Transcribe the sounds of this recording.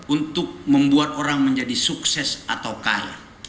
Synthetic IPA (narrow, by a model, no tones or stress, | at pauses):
unt̪ʊk̚məmbuat̪oɾaŋməɲd͡ʒadisuksɛsat̪awkaɾa̰